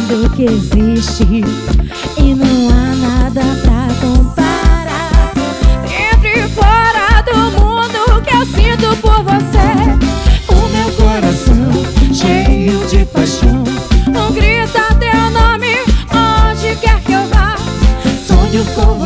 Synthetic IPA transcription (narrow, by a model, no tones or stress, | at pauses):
d̪ʊkɪeziʃt͡ʃɪ | ɪnɐ̃w̃anad̪ɐpɾɐkõpaɾa | ẽt̪ɾɪfɔɾɐd̪ʊmũd̪ʊkɪewsĩt̪ʊpoɾvose | ʊmewkoɾasɐ̃w̃ʃejʊmiwd͡ʒɪpajʃɐ̃w̃õɡɾit̪ɐt̪ẽʊnõmɪõd͡ʒɪkɛɾkɪewlaɾsomewkov